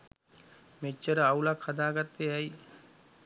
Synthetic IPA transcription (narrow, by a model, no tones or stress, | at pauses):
met͡ʃːəɾəaulakhad̪aːɡat̪ːeɛji